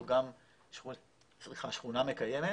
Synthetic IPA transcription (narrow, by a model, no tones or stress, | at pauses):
ɡam | ʃu | t͡sʁiχaʃχuname̞kajeme